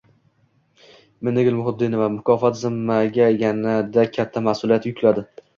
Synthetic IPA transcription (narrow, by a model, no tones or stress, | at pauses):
mɪnɪɡʲɪlmʊhʊd̪ːɪnɪvamʊkʰɒfat̪zɪmːaɡʲajʲanad̪akʲʰat̪ʰːamasʊlˠijat̪jʊkʲʰlad̪ɪ